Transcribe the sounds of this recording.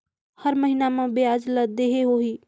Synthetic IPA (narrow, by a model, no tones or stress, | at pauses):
həɾməɦinamẽbead͡ʒləd̪eɦeɦoɦi